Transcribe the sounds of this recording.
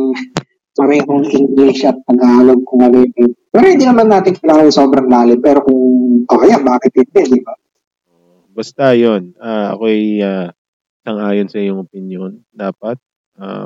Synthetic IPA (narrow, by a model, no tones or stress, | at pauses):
pɐɾɛːɦoŋʔɪŋɡliʃɐt̪̚pɐɡaːloɡ̚kʊŋɐlɛːɛpɛɾohɪnd̪inɐmanːaːt̪ɪŋkɐlaːŋɐnɐso̞ːbɾɐŋlaːlɪpɛːɾo̞kʊŋʔoʔɐjanbaːkɪt̪̚hɪnd̪ɛd̪ɪba | ʔʔo | bɐst̪ajonaːɐ̰ko̞ʔɐjaː | ʔɪsɐŋʔaːjonsɐʔiɲːʊŋʔopɪnjon | d̪aːpɐt̪̚ | ʔa̰